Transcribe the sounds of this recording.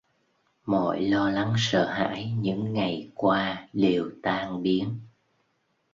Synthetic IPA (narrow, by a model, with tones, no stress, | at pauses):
mɔ̰˧˨jlɔ˧la˨˦ŋsə̰ː˧˨ɦa̰ː˧˥jɲɨ̰˧˥ŋːa˨˩jkwaː˧ɗe˨˩wt̪aː˧ŋɓi˨˦ən